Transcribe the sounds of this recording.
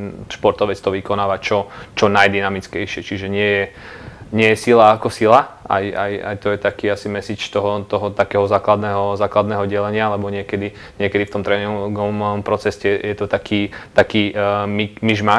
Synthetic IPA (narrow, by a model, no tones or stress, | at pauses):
ʃpɔɾt̪ɔʋɛt͡st̪ɔʋikɔnaːʋat͡ʃɔt͡ʃɔnajd̪inamit͡skɛjʃɪɛt͡ʃiʒɛɲɪɛjɛɲɪɛjɛsilaːkɔsilaʔa̰ja̰ja̰jt̪ɔjɛt̪akiːasimɛsiːt͡ʃt̪ɔɦɔt̪ɔɦɔt̪akɛːɦɔzaːklad̪nɛːɦɔzaːklad̪nɛːɦɔɟɛlɛɲɪaalɛbɔɲɪɛkɛd̪i | ɲɪɛkɛd̪ift̪ɔmt̪ɾɛnɛɔɡɔɔmɔmpɾɔt͡sɛscɛjɛt̪ɔt̪akiːt̪akiːmikmiʒma